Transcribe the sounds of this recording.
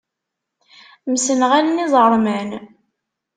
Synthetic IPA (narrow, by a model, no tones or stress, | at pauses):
msənʁalnizˤəɾˤmən